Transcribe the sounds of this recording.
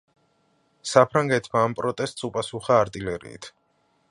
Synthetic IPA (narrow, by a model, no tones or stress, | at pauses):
sapʰɾaŋɡɛt̪ʰmaːmpʼɾɔt̪ʼɛst̪ʼsupʼasuχaːɾt̪ʼilɛɾḭḭt̪ʰ